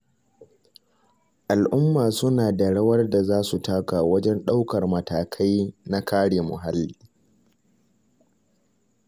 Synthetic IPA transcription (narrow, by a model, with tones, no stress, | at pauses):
ʔa˨lʔʊ˦mːaː˨sʊ˦naː˨da˨ɽɐ˦wɐ˦rda˨zaː˦su˨taː˦kaː˨wɐ˦d͡ʒɛ˦nɗa˦wkɐ˨rmɐ˨tʰaː˨kʰa˦jna˦kʰaː˦ɽeː˨mʊ̰˨ɦa˦lːiː˦